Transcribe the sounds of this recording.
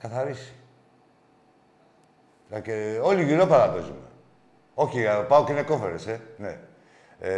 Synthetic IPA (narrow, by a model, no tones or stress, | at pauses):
kɐθɐɾisi̥ | keo̞liʝiɾopaɾɐpe̞zume̞ | o̞çipaokeneko̞feɾesene